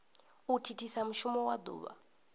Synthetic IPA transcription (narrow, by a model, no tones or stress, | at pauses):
utʰitʰisamuʃumɔwad̪ṵːβa̰